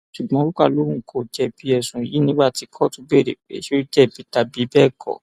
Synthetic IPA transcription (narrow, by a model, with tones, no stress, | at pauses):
ʃu˨ɡ͡bɔ̃˨˦o˦ɾu˦ka˦˨lo˨˦wũ˦˨kʰo˨d͡ʒɛ˧˨bi˨˦ɛ˨sũ˨i˨ji˨˦nĩ˦ɡ͡ba˦˨ti˧kʰɔ˦˨tu˧˦be˦˨ɾḛ˨k͡pḛ˨˦ʃe˦d͡ʒɛ˦˨bi˨˦ta˧bi˨˦bɛ˦˨kʰɔ̰˨